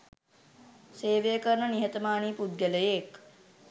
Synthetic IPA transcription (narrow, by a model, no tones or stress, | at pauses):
seːʋejəkəɾɳəniɦet̪ɐmaːɳiːpud̪̚ɡələjek